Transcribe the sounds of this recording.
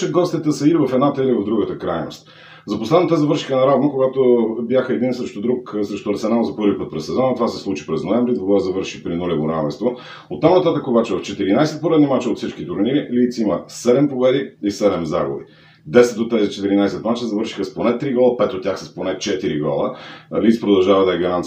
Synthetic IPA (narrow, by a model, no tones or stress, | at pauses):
t͡ʃəd̪̚ɡɔst̪ʲit̪əsəilivɐfɛd̪nat̪əilivəvd̪ɾuɡət̪əkɾajno̰st̪ | zɐposlɛd̪nət̪əzɐvɤɾʃi̥xənɐɾavnokoɡat̪objaxəɛd̪insəʃt̪ʊd̪ɾuksɛʃt̪ʊɾt̪sɛnalˠzɐpɤɾvipɤt̪pɾɛsːɛzɔnɐt̪ovasɛslˠut͡ʃi̥pɾɛznoɛvɾid̪ɡoɡˠazɐvɤɾʃipɾinulʲɛvoɾavɛ̰nst̪vo | ot̪ːamnɐt̪at̪əkəobat͡ʃɛvɐft͡ʃɛt̪iɾinajsɛt̪̚poɾɛd̪nimat͡ʃɛot̪fsit͡ʃkit̪uɾnilit̪siməsɛd̪ɛmpovɛd̪iisɛd̪ɛmzaɡʊvi | d̪ɛsɛt̪d̪ot̪ːɛzit͡ʃɛt̪iɾinajsɛt̪mat͡ʃɛzɐvəɾʃi̥xəsplˠonɛt̪ːɾiɡɔlˠəpɛt̪ot̪ʲːjaxsɐsplˠonɛt͡ʃɛt̪iɾiɡɔ̰lˠəlit̪spɾod̪ɐlˠʒavɐd̪ɐɛɡɐɾan